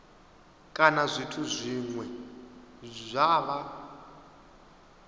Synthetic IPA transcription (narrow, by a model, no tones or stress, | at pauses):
kʼanazʷitʰuzʷiŋwɛ | zʷaβa